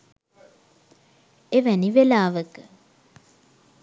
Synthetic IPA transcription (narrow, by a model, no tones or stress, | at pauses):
eʋɛniʋelaːʋək